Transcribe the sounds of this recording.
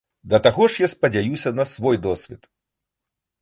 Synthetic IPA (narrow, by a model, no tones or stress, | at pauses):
d̪ɐt̪aɣɔʂjaspɐd͡zʲajusʲɐnɐsvɔjd̪ɔsʲvʲit̪